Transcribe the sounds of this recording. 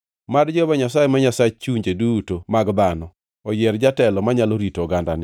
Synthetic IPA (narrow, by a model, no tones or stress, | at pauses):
madd͡ʒɔbaɲasajemaɲasat͡ʃt͡ʃuɲd͡ʒedutomaɡdanɔ | ɔjɛɾd͡ʒatɛlɔmaɲaloɾitɔɡanda̰nɪ